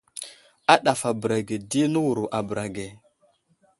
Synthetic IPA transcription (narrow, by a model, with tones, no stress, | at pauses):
a˦ɗa˨fa˨bɾa˨ɡe˨di˦nə˦wu˨ɾu˨ʔa˨bə˨ɾa˨ɡe˨